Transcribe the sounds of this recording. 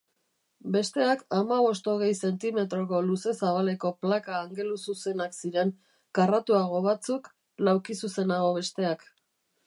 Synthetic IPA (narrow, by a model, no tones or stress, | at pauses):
be̞st̪e̞akamaβo̞st̪o̞ɣ̞e̞jse̞nt̪ime̞t̪ɾo̞ko̞luse̞saβale̞ko̞plakaːŋɡe̞lususe̞naksiɾe̞ŋ | karat̪uaɣ̞o̞βat͡suk | lawkisuse̞naɣ̞o̞β̞e̞st̪e̞ak